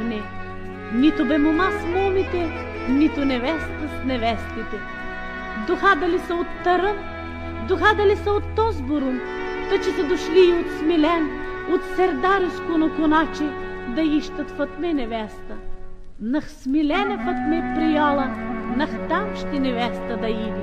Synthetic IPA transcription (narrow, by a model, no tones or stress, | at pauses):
nɛ | nit̪ʊbɛmomasmɔmit̪ɛ | nit̪ʊnɛvɛst̪əsnɛvɛst̪it̪ɛ | d̪oxad̪ɐlisəot̪ːɐɾə | d̪oxad̪ɐlisəot̪ːɔzboɾʊm | t̪ɐt͡ʃɛsɐd̪oʃliːot̪smilɛnot̪sɛɾd̪aɾɪskʊnokʊnat͡ʃɛ | d̪ɐiʃt̪ɐt̪fɐt̪mɛnɛvɛst̪ə | nɐxsmilɛnɐfɐt̪mɛpɾijalˠɐnɐxt̪amʃt̪ɛnɛvɛst̪ɐd̪ɐi